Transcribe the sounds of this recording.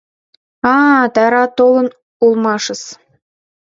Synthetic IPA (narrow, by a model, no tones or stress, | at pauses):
ɑːt̪æɾɑt̪olˠɤ̆n | ulˠmɑʃɤ̆s